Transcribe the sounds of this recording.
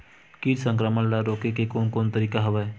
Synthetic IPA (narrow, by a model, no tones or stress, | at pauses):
kiːɾsə̃ŋkɾəmənlaɾoːkekekoːnkoːnt̪əɾiːkaɦəʋəɛ